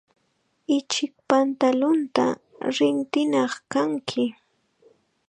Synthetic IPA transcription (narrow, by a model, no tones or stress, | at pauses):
ɪt͡ʃɪk̚pant̪alʊnt̪a̰ | ɾɪnt̪ɪnɑχkaŋkʰɪ